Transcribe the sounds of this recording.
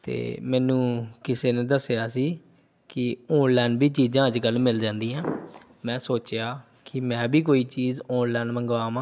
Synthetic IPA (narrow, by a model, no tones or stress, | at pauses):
t̪ḛːmɛːnũːkɪseːnẽːd̪əsejaːsiː | kɪoːnlɛːnbiːt͡ʃiːzãːəd͡ʒkəlmɪld͡ʒãːnd̪iːãː | mɛ̃ːsoːt͡ʃjaː | kɪmɛ̃ːbiːkoːiːt͡ʃiːzõːnlɛːnməŋɡʋaːmãː